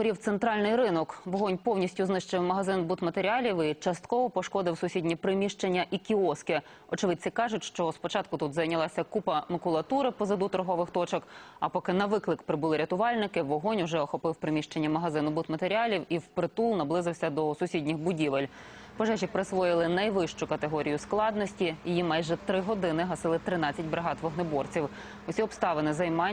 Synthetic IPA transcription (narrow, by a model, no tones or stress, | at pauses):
pɔɾʲiwt̪sent̪ɾɑlʲnɪjɾɪnɔkʋɔɦɔnʲpɔwnʲisʲtʲʊznɪʃt͡ʃɪwmɐɦɐzɪnbut̪mɐt̪eɾʲiɑlʲiwit͡ʃɐst̪kɔʋɔpɔʃkɔd̪ɪwsʊsʲidʲnʲipɾɪmʲiʃt͡ʃenʲːɐʔikʲiɔskɪ | ɔt͡ʃɪʋɪd̪̚ʲsikɑʒʊtʲʃt͡ʃɔspɔt͡ʃɑt̪kʊt̪ut̪zɐjnʲɐlˠɑsʲɐkupɐmɐkʊlˠɐt̪uɾɪpɔzɐd̪ut̪ɔɾɦɔʋɪxt̪ɔt͡ʃɔkɐ̰pɔkɪnɐʋɪklˠɪkpɾɪbʊlˠɪɾʲɐt̪ʊʋɑlʲnɪkɪʋɔɦɔnʲuwʒɛɔxɔpɪwpɾɪmʲiʃt͡ʃenʲːɐmɐɦɐzɪnʊbut̪mɐt̪eɾʲiɑlʲiwiwpɾɪt̪ulˠnɐblˠɪzɪwsʲɐd̪ɔsʊsʲidʲnʲɪxbʊdʲiʋɪlʲ | pɔʒɛt͡ʃɪpɾɪsʋɔjɪlˠɪnɐjʋɪʃt͡ʃʊkɐt̪eɦɔɾʲijʊsklˠɑd̪nɔsʲtʲijijimɑjʒɛt̪ɾɪɦɔd̪ɪnɪɦɐsɪlˠɪt̪ɾɪnɑt͡sʲːɐtʲbɾeɦɑt̪ʋɔɦnɔbɔrt͡sʲiw | ʊsʲiɔpst̪ɑʋenɪzɐjmɑ